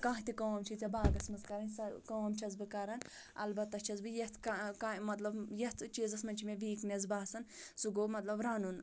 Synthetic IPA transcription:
kãːɦt̪ikɐwɐmt͡ʃʰit͡sʲɐbaːɡɐsmɨzkɐɾɐnʲsɐkɐwɐmt͡ʃʰɐzbɨkɐɾɐn | ɐ̰lbɐt̪ːɐt͡ʃʰɐzbɨjɐt̪ʰkakamɐt̪lɐbjɐt̪ʰt͡ʃiːzɐsmɐnʲt͡ʃʰimʲeʋiːkmʲezbaːsɐnsuɡoːmɐt̪lɐbɾaːnun

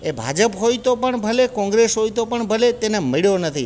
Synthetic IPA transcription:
ebʱa̰d͡ʒəpɦojt̪opəɳbʱəlekɔ̃ŋɡɾesɦojt̪opəɳbʱəlet̪enemiɭjonət̪ʰi

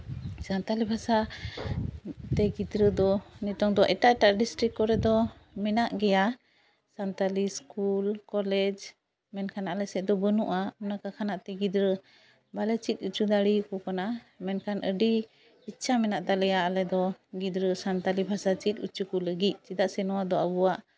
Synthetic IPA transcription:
sant̪alibʱasa | t̪ɛɡid̪ɾəd̪ɔnit̪ɔŋd̪ɔʔɛʈaʔɛʈaʔɖisʈɾikːɔɾɛd̪ɔmɛnaʔɡɛja | sant̪aliskulkɔlɛd͡ʒ | mɛnkʰanaʔalɛsɛʔ̚d̪ɔbənuʔaunakakʰanaʔt̪ɛɡid̪ɾə | balɛt͡ʃit̪̚ˀut͡ʃud̪aɽikɔkana | mɛnkʰanəɖi | it͡ʃʰamɛnaʔt̪alɛjaʔalɛd̪ɔɡid̪ɾəsant̪alibʱasat͡ʃit̪̚ˀut͡ʃukɔləɡic̪̚ˀt͡ʃid̪aʔsɛnɔwad̪ɔabuwaʔ

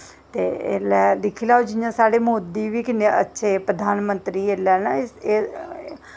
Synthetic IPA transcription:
t̪eːḛlɛːlɪkʰːiːlaːod͡ʒɪjãːsaːɽeːmoːd̪iːʋiːkɪneːətːʃʰeːpɾəd̪ʱaːnmə̃nt̪ɾiːeːlɛːnaeː

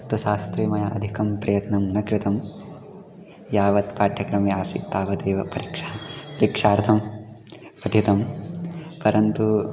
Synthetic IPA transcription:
t̪uʃaːst̪ɾimɐjɐʔɐ̰d̪ʱikɐmpɾɐjɐt̪nɐmnɐkɾɪt̪ɐm | jaːʋɐt̪paːʈʰːjɐkɾɐmiaːsḭt̪aːʋɐd̪eːʋɐpɐɾikʂapɐɾikʂaːɾt̪ʰɐm | pɐd̪ʱjit̪ɐm | pɐɾɐnt̪u

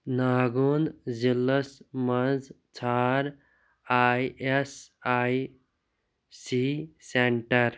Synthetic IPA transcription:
naːɡonzilːəsmɐz | t͡ʃʰaːɾ | aːjesaj | siseɳʈəɾ

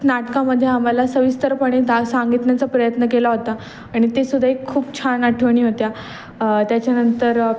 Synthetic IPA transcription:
naʈkaməd̪ʱːjeam̤alasəʋist̪əɾpəɽ̃et̪asãŋɡit̪njat͡sapɾəjət̪nəkelaɦot̪a | aɽ̃it̪esud̪ʱaekʰːuːpt͡ɕʰanaʈʰʋəɳ̃iːɦot̪ja | t̪jat͡ɕjanənt̪əɾ

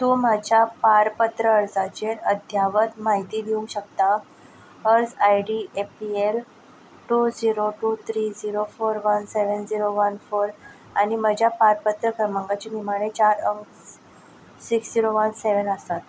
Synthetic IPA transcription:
t̪umad͡ʑjapaɾpət̪ɾəəɾd͡zat͡ɕenəd̪ʱjaʋət̪maɦit̪iːd̪iuŋɕək̚t̪a | əɾd͡zajɖiepiel | ʈuːd͡ziɾoʈuːt̪ʰɾiːd͡ziɾofoɾʋənseʋənd͡ʑiɾoʋənfoɾ | aɽ̃iməd͡ʑʱjapaɾpət̪ɾəkʰəɾməŋɡat͡ɕenimaɽ̃et͡ɕaɾəŋks | siksd͡ziɾoʋənseʋənəst̪at̪

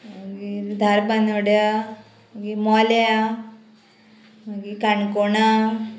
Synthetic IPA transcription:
maɡid̪ʱaɾbanoɽja | maɡimɔlja | maɡikaɳkoɳa

